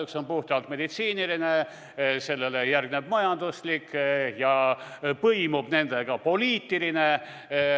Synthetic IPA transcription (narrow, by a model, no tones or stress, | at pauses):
ykso̞npuht̪ɑlt̪me̞d̪it̪siːniline̞ | se̞lːelejærɡ̥neb̥mɑjɑnd̪̥uslikːjɑpɤjmub̥ne̞nd̪̥e̞ɡ̥ɑpo̞liːt̪ːiline̞